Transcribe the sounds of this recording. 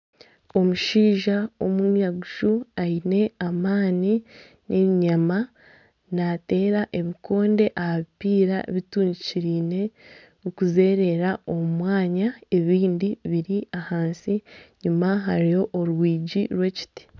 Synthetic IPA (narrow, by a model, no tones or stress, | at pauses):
o̞muʃiːʒao̞mumjaɡuʃuaine̞amaːni | nʔe̞βiɲama | nate̞ːɾaʔe̞βikʰo̞ːnde̞ʔahaβipiːɾa̰eβituːɲɟiciɾiːne̞ | ukuze̞ːɾe̞ɾao̞umwaːɲae̞βiːndiβiɾiahaːnsiɲimaɦaɾijo̞ʔːɾwiːɟiɾwe̞ci̥ti̥